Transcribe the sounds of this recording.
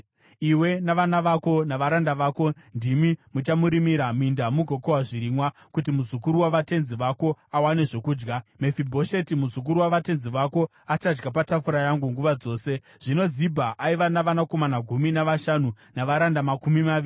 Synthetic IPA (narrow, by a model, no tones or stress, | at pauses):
iwe̞naʋanaʋako̞naʋaɾandaʋaːko̞ | ndimimut͡ʃamuɾimiɾamindamuɡʱo̞kowaʐiɾiːmwa | kutimuzukuɾuwaʋate̞nziʋako̞awane̞ʐo̞kuːd͡ʒɡamefibʱo̞ʃe̞timuzuk̬uɾuwaʋate̞nziʋako̞ | at͡ʃad͡ʒɡapatafuɾajaŋɡuŋɡuʋad͡zo̞ːse̞ | ʐ̥ino̞zibʱaʔaiʋanaʋanako̞manaɡʱuminaʋaʃanu | naʋaɾandamakumimaii